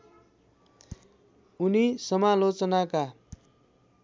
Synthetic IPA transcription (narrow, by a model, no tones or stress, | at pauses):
unisʌmalot͡sʌnaka